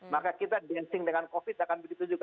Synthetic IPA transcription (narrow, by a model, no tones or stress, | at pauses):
makakit̪adɛnsɪŋdəŋankofɪt̪akanbəɡit̪ud͡ʒuɡa